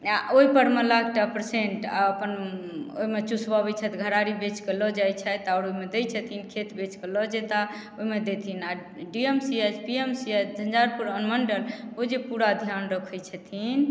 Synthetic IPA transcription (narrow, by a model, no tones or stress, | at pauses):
oipəɾmelaɡ̚ʈapɾseɳʈa̰əpəno̰imet͡ʃusbabɛt͡ʃʰət̪ɡʱəɾaɾibet͡ʃkelɔd͡ʒajt͡ʃʰat̪aʊɾoimed̪ɛjt͡ʃʰət̪ʰinkʰet̪bet͡ʃkelɔd͡ʒɛt̪a | oimed̪et̪ʰina | ɖiemsied͡ʒpiemsied͡ʒənd͡ʒaɾpuɾənməɳɖəlod͡ʒepuɾad̪ʱjanɾəkʰɛjt͡ʃʰət̪ʰin